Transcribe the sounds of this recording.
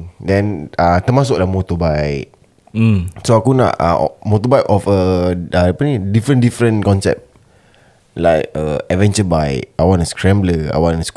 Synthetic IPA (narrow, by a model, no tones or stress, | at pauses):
dɛ̃nat̪əmas̬ʊklahmot̪ɔbajʔ̩ | soakuna̰ʔə̰mot̪ɔbajʔɔfəəapənidifɾə̃ndifɾə̃nkɔ̃nsɛ̰p̚t̚ | la̰jkəɛvɛ̃nt͡ʃəbajʔawãnəskɾɛ̃mbləa̰wãnəs